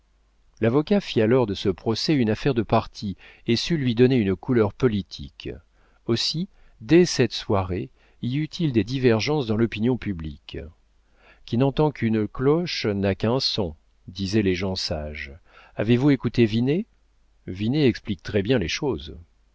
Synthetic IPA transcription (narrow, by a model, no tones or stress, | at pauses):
lavɔkafialɔʁd̪əsəpχɔsɛynafɛʁd̪əpaʁt̪ʰiesylɥid̪ɔneynkulœʁpɔlit̪ʰḭk | osi | d̪ɛsɛt̪swaʁe | iyt̪ʰild̪ed̪ivɛʁʒɑ̃sd̪ɑ̃lɔpinjɔ̃pyblik | kʲinɑ̃t̪ɑ̃kʰynklɔʃnakɛ̃sɔ̃ | d̪izɛleʒɑ̃saʒavevuekut̪evine | vineɛksplik̚t̪χɛbjɛ̃leʃoːz